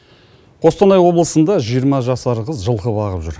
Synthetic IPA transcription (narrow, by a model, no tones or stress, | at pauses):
qʰo̞st̪ɑnɑjwo̞blˠəsənd̪ɑʒijəɾmɑʒɑsɑɾʁəzʒəlˠqəbɑʁəpʒʏɾ